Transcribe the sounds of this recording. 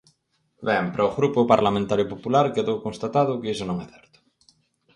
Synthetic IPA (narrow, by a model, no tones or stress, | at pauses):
bɛmpɾʔaoɣɾupʊpaɾlamẽnt̪aɾjʊpopulaɾkeðowkõnst̪at̪aðʊkɪesʊnõŋɛθɛɾt̪ʊ̥